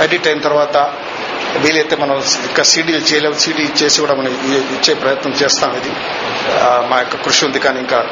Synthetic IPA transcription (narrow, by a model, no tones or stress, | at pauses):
eɖiʈːɐjnt̪ɐrʋaːt̪ɐ | ʋiːlijet̪ːemɐnːɐlikːɐsiːɖijilt͡ɕeːlɐʋsiːɽit͡ɕeːsiʋɐɽɐːmɐɳɨiit͡ɕːejprɐjɐt̪nɐmt͡ɕe̞ːst̪aːmid̪i | majkːɐkruʂiond̪ʱikʲːaːniŋkːa